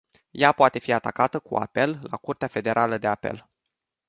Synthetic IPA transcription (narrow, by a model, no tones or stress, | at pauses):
japoat̪e̞fiat̪akat̪əkṵa̰pe̞lːa̰kurt̪eafe̞d̪e̞ɾʔaləd̪e̞ape̞̰l